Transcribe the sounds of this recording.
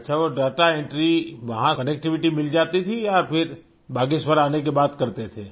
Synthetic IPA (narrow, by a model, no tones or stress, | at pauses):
tːʃʰaʋoɖaːʈaẽɳʈɾiʋɐɦãkɐneːk̚ʈɪʋɪʈimɪld͡ʒaːt̪it̪ʰiɔːɾpʰɪɾ | bʱaːɡisʋəɾaːnek̬ebaːt̪kɐɾt̪et̪ʰeː